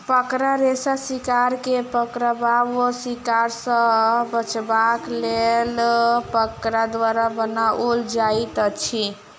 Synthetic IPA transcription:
pəkɾaɾesasikaɾkepəkɾəbabosikaɾsə̃bət͡ʃbaklelpəkɾad̪waɾabənaʔold͡ʒait̪ət͡ʃʰi

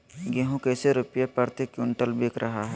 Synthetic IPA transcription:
ɡeɦõkeseɾʊpjapəɾt̪ekjʊ̃ɳʈəlbeːkɾʔɐɦaɦɛ

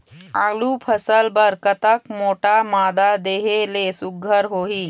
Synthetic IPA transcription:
aːɡlupʰəsəlbəɾkət̪əkmoːʈamaːd̪ad̪eːɦelesʊɡʱːəɾɦoːɦiː

